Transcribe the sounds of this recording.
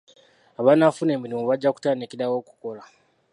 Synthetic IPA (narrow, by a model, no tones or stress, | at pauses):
aβanafuneːmilimuβaɟːaku̥taːnikiɾawo̞ːku̥ko̞la